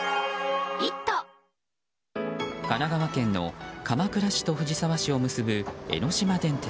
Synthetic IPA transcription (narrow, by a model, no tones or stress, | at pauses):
it̪ːo | kanaɡaβakẽ̞nːo̞̰kamakɯ̟ɾaɕi̥t̪o̞ɸɯ̟ʑisaβaɕio̞mɯ̟sɨbɯ̟e̞̰ɾo̞ɕimad̪ẽ̞nt̪e